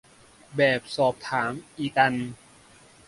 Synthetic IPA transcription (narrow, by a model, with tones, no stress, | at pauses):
bɛː˨˩p̚sɔː˨˩p̚t̪ʰaː˩˦mʔiː˨˩ka˧n